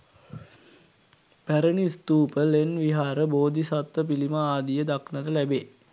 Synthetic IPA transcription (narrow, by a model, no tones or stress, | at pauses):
pæɾənist̪uːpəlenʋiɦaːɾəboːd̪isat̪ʋəp̬iliməaːd̪ijəd̪aknətəlæbe